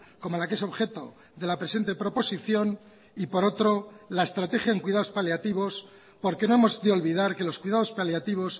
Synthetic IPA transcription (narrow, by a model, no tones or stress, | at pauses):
ko̞molakee̞so̞βxe̞t̪o̞ | ðe̞lapɾe̞se̞nt̪epɾo̞po̞siθjo̞n | ipo̞ɾo̞t̪ɾo̞laest̪ɾat̪e̞xjaeŋkwiðaðo̞spaljat̪iβo̞s | po̞ɾkeno̞emo̞zðeo̞lβiðaɾke̞lo̞skwiðaðo̞spaljat̪iβ̞o̞s